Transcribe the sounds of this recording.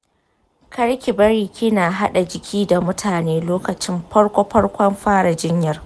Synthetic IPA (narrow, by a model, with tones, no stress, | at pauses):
kʰɐ˦ɽkʲɪ˨bɐ˦ɾiː˨kʲɪ˦naː˨ɦa˦ɗa˨d͡ʒɪ˨kʲʰiː˦da˨mʊ˦tʰaː˨neː˦loː˦kɐ˨t͡ʃɪ˦mɸɐ˦ɽkʷɔ˦ɸɐ˦ɽkʷɐ˦mɸaː˦ɽa˨d͡ʒɪ˦ɲjɐ˦r